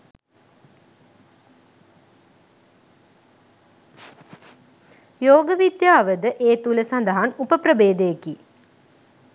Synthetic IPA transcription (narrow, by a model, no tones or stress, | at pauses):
joːɡəʋid̪jaːʋəd̪əʔeːt̪uləsɐnd̪əɦanupəprəbeːd̪ejeki